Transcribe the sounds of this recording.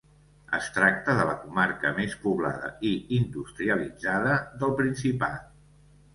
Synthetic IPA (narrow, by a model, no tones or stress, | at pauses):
ə̰st̪ɾak̚t̪əðələkumaɾkəmespuβla̰ðə̰iind̪ust̪ɾiəlid͡zaðəðəlˠpɾinsipat̪